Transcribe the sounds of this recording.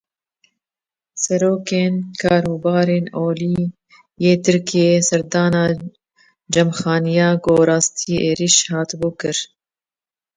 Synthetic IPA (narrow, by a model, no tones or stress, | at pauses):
sɛɾoːkeːnkʰɑːɾuːbɑːɾeːnoːliː | jeːt̪ʰɨɾkʰijeːsɛɾd̪ɑːnɑː | d͡ʒɛmxɑːnijɑːɡoːɾɑːst̪ʰiʔeːɾiʃhɑːt̪buːkɨɾ